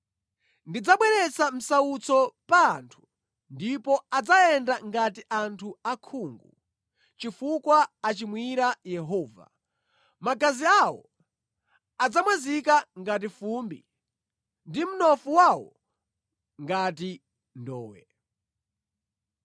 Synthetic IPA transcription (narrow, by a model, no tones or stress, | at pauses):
ndid͡zaɓwɛɾɛt͡sam̩saut͡sɔpaːntʰu̥ | ndipɔad͡zaɛndaŋɡatiʔantʰuakʰuːŋɡu | t͡ʃifukwaːt͡ʃimwiɾajɛɦɔːva̰ | makaziawɔ̰ | ad͡zamwazikaŋɡat̬ifumbḭ | ndim̩nɔfuwawɔ̰ | ŋɡati | ndɔ̰ːwɛ